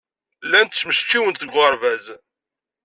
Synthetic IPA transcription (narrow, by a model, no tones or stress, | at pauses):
lːænt̪sməʃt͡ʃːiwənt̪θəɡʁəɾˤvæz